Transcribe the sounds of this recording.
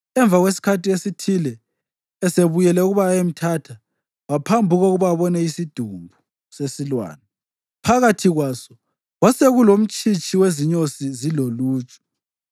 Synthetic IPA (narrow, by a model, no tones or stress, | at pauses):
ɛɱb̪vʱaɣwes̬i̥kʰatiesitʰilɛː | seβujɛlɛuɣuβaem̩tʰatʰa | wapʰambʱuɣoɣuβaβɔnɛisid̥ʱumbʱu | sesilwa̰ːnɛ | pʰaɣatʰiɣwaːsɔ̥ | ɣwaseɣulom̩t͡ʃʼit͡ʃʼiweziɲosiziloluːt͡ʃʼɔ̥